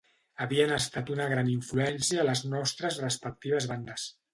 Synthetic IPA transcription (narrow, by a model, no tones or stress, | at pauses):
əβiənəst̪at̪unəɣ̞ɾaniɱfluɛnsiəːləznɔst̪ɾəzrəspək̚t̪iβ̞əzβand̪əs